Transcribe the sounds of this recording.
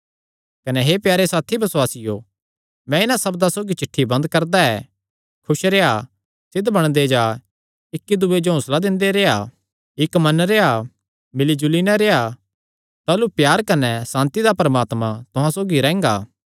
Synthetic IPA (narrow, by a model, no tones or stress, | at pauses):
kɐnɛɦepjaːɾesaːt̪ʰibɐswaːsɪjo | mɛ̃ɪnãsɐbd̪asoːɡit͡ʃɪʈʰːibɐ̃nd̪kɐɾd̪aɛ | kʰʊʃɾea | sɪd̪bɐɽ̃d̪ed͡ʒa | ɪkːid̪ued͡ʒoɦʊslad̪ɪ̃nd̪eɾea | ɪkmɐnɾea | mɪlid͡ʒʊlinɛ̃ɾea | t̪aːlupjaːɾkɐnɛsãːnt̪id̪apɾɐmaːt̪mãt̪ʊɦãsoːɡiɾɛ̃ːŋɡa̰ː